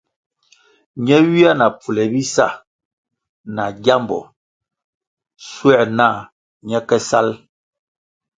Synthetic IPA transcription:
ɲɛ˦ɥi˦a˦na˨pʰu˨lɛ˨bi˦sa̰˦˨ | na˨ɡa˦mbɔ̰˨ | swɛ˦˨na˦˨ | ɲɛ˦kɛ˦sa˦l

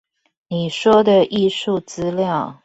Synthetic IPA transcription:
ni˨˩ʂwɔ˥d̪ə˨ʔi˥˧ʂu˥˩t͡sɹ̩˥ljɑ˥˨ʊ

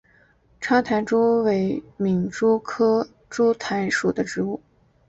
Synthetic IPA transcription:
ʈ͡ʂʰa˥t̪ʰa˧˥nʈ͡ʂu˥we˧˥ɪmi˧˩ŋʈ͡ʂu˥kʰɤ˥ | ʈ͡ʂu˥t̪ʰa˧˥ɪʂu˨˩d̪ə˦ʈ͡ʂɻ̩˧˥u˥˩

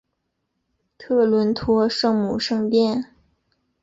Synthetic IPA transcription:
t̪ʰɤ˥˩lwə˧˥nt̪ʰwɔ˧˥ʂɤ˥˩ŋmu˨˩ʂɤ˥˧ŋp̪jɛ˥˧n

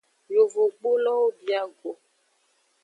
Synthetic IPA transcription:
jo˨vo˨ɡ͡bo˦lɔ˦o˦bi˨a˦ɡo˨

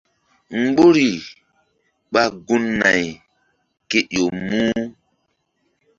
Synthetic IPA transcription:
ŋ͡m̩˦ɡ͡bo˦ɾi˨ | ɓa˦ɡu˦nːa̰˨j | ke˦ʔjo˨muː˦

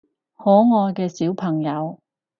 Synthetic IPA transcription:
hɔː˨˥ŋɔː˧jkɛː˧siː˨˥wpʰɐ˨˩ŋjɐ˨˧w

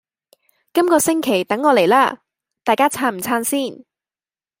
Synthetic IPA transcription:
kɐ˥mkɔː˧sɪ˥ŋkʰe˨˩jt̪ɐ˨˥ŋːɔː˨˧le˨˩jla̰ː˧˥ | t̪aː˨jkaː˥t͡sʰaː˧m̩˨˩t͡sʰaː˧nsiː˥˩n

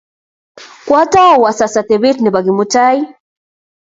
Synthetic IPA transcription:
kwa˦ta˦˨wa˨sasa˨t̪ɛβi˦tni˨ba˨ɡi˨muta˦i˦

